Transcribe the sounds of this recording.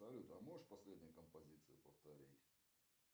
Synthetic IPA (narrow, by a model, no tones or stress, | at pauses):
ɐlʲut̪ɐmoʐɨʂpɐsʲlʲedʲnʲɪjʊkəmpɐzʲit̪sɨjʊpəft̪ɐɾʲitʲ